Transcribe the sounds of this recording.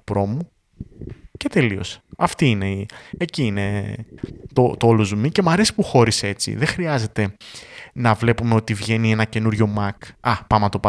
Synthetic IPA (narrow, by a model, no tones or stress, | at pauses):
pɾo̞mu | ce̞t̪e̞lio̞̰se̥ɐft̪iine̞ieciine̞ | t̪ot̪oolozumice̞mɐɾe̞si̥puxo̞ɾise̞t͡sḭðexɾiɐze̞t̪e̞nɐvle̞pumeo̞t̪ivʝe̞nie̞nɐce̞nuɾʝo̞mɐkɐpɐmɐt̪o̞pɐ